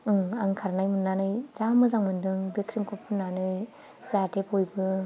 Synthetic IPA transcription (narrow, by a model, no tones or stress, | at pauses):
ɯŋaŋkʰaɾnajmɯnːanɯjzamɯzaŋmɯndɯŋbekʰɾimkʰɯpʰɯnːanɯj | zatʰepojbɯ